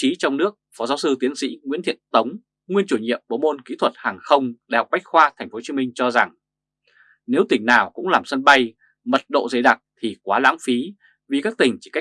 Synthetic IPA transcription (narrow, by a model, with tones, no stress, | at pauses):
t͡ɕi˨˦t͡ɕɔ˧wŋ͡mnɨ˦˥ək̚fɔ˨˦zaː˨˦wsɨ˧t̪i˨˦ənsḭ˧˥ŋwḭ˧˥nt̪ʰḭ˧˨ənt̪ə˨˦wŋ͡m | ŋwi˧ənt͡ɕu˧˩ɲḭ˧˨əmɓo˨˦mo˧nkḭ˧˥t̪ʰwə˨˩t̚haː˨˩ŋxə˧wŋ͡mɗa˧˩ha˨˩k͡p̚ɓa˦˥jk̟̚xwaː˧t̪ʰa˨˩jŋ̟fo˨˦t͡ɕi˨˦mi˧ŋ̟t͡ɕɔ˧za˨˩ŋ | ne˨˦wt̪ï˨˩ŋ̟naː˨˩wkʊ̰˧˥ŋ͡mlaː˨˩msə˧nɓa˧j | mə˨˩t̚ɗo̰˧˨zə˨˦jɗa˨˩t̚t̪ʰi˨˩kwaː˨˦la̰ː˧˥mfi˨˦ | vi˨˩kaː˦˥k̚t̪ï˨˩ŋ̟t͡ɕi̥˧˩ka˦˥